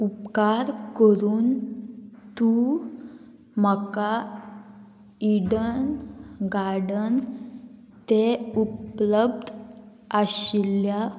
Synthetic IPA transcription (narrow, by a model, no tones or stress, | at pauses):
upkaɾkəɾuːn | t̪u | m̤əka | iɽənɡaɾɽən | t̪eupləb̚d̪ʱ | aɕilja